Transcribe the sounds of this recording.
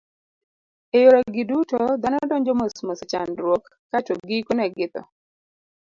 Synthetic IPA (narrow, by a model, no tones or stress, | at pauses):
ejoɾɔɡɪdutod̪anɔdɔɲd͡ʒɔmosmosɪt͡ʃa̰nɾwokːatoɡɪkonɛɡɪt̪ɔ̰